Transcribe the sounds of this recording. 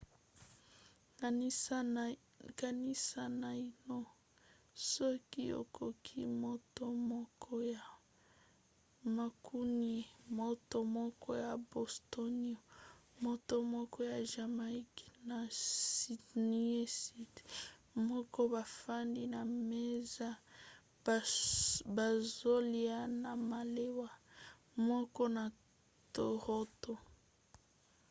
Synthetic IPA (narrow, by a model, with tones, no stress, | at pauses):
ka˨ni˦sa˨na˨i˨no˦ | sɔ˦ki˦jo̰˨kʰo˨kʰḭ˦mo˦to˦mɔ˦kʰɔ˦ja˨ | ma˨kʰu˦ni˨mo˦to˦mɔ˦kʰɔ˦ja˨bo˨sto˦ni˦o˨mo˦to˦mɔ˦kʰɔ˦ja˨ʒa˨ma˨i˦kna˨si˨ni˦e˦si˦tmɔ˦kɔ˦ba˨fa˦ndi˦na˨me˦za˦ | ba˨zo˦li˦a˦na˨ma˨le˦wa˦ | mɔ˦kɔ˦na˨ | to˨ʁo˦to˨